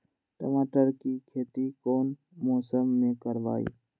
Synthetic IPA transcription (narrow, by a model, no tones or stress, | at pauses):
ʈə̰maːʈəɾkikʰeːt̪ikoːn | mɔːsəmːẽkəɾʋa̰ːḭː